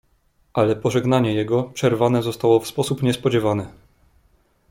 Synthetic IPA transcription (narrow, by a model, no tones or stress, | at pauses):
ʔalɛpɔʐɛɡnaɲɛjɛɡɔpʂɛɾvanɛzɔst̪awɔfspɔsupɲɛspɔd͡ʑɛvanɛ